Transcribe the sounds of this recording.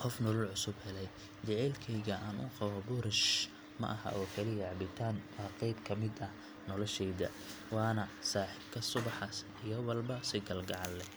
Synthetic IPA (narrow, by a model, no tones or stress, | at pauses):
qɔfnɔlɔlʕʊsʊbhɛlɛj | t͡ʃɐʕɛːlkʰɛjɣɐʔaːnʊ̰qɑwɐbʊɾɪʃ | mɐ̰ʔɐhɐ̰ʔɔːkʰɐlɪjɐʕɑbɪt̪ʰaːnwɑːqɛjbkʰɐmɪd̪ɐh | nɔlɔʃɛjðɐ̰ | wɑːnɐsaːħɪbkʰɐsʊβɑħɐs | ijɔwɐlbɐsɪɡɐlɡɑʕɑlːɛ